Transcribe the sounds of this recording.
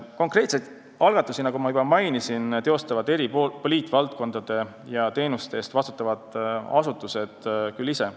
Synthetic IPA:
ko̞ŋkˑre̞ːt̪sejd̪ | ɑlɡ̥ɑt̪ːˑusinɑɡumɑybɑmɑjnisint̪e̞o̞st̪ɑvɑd̪e̞ɾipopoliːt̪ːˑvɑlt̪̚ko̞nd̪̥ɑd̪̥e̞ | jɑt̪e̞ːnust̪eeːst̪vɑst̪u̥t̪ːˑɑvɑd̪̥ɑ̰sut̪ːˑuse̞d̪̥kylːise̞

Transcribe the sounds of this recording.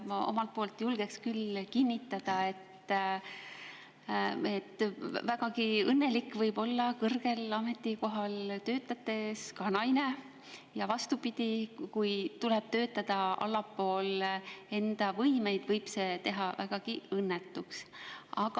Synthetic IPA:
o̞̰mɑlt̪̚po̞ːlt̪julɡ̥e̞kskylkinːit̪ːˑɑd̪̥ɑe̞t̪ː | e̞t̪ːvæɡ̥ɑɡiɤnːe̞likːˑvɤjb̥o̞lːɑkɤrɡ̥e̞lɑme̞t̪ːˑiko̞ɦɑlt̪ø̞ːt̪ːˑɑt̪ːˑe̞skɑnɑjne̞ | jɑvɑst̪upid̪̥ikujt̪uleb̥̚t̪ø̞ːt̪ːˑɑd̪̥ɑɑ̰lːɑpːˑo̞ːle̞nd̪̥ɑvɤjme̞jd̪̥vɤjb̥se̞t̪e̞ɦɑvæɡ̥ɑɡ̥iɤnːet̪ːˑuksɑɡ̥ɑ

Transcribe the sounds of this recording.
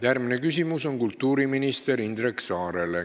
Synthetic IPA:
jærɡmine̞kysimuso̞ŋkult̪ːuːɾiminist̪e̞ɾind̪ɾeksɑːɾe̞le

